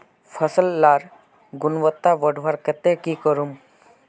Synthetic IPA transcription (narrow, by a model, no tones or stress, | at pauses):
pʰəsəlːaːɾ | ɡunʋət̪ːaʋəɖʱʋaɾkət̪ekikəɾum